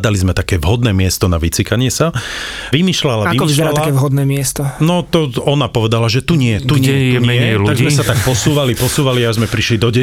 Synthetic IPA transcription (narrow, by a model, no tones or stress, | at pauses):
d̪alizmɛt̪akɛːʋɦɔd̪nɛːmɪɛst̪ɔnaʋit͡sikaɲɪɛsaʋimiːʃlalaaiɔiiʃzɛɾalaakɛːʋɦɔd̪nɛːmɪɛst̪ɔnɔt̪ɔɔnapɔʋɛd̪alaʒɛt̪uɲɪɛt̪uɲɛt̪uɲɪɛɛlaɡzmɛsat̪ak̚pɔsuːʋalipɔsuːʋaliazmɛpɾiʃlid̪ɔɟɛ